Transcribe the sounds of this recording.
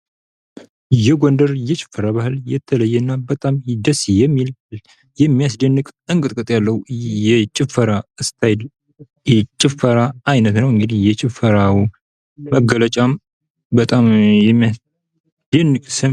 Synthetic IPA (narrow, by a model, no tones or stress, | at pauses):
jɛɡond̪əɾjɛt͡ʃʼɪ̥fːəɾaβahɨljɛt̪ʰːələjːɛɨnːabət̪ʼamd̪əsjɛmːil | jɛmːijasd̪ənːɨkʼɨŋkʼɨt̪ʼkʼɨt̪ʼjalːəhujɛt͡ʃʼɪfːəɾaɨst̪ʰajd | jɛt͡ʃʼɪfəɾaːjnət̪nəwɨŋɡɨd̪ihjɛt͡ʃʼɪfəɾawu | məɡələt͡ʃʼam | bət̪ʼamjɛmː | d̪̥ənːɨkʼsə